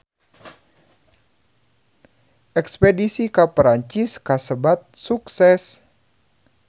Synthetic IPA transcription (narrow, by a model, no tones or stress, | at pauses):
ʔɛkspedisikapɾaɲt͡ʃiskasəbat̪̚suksɛs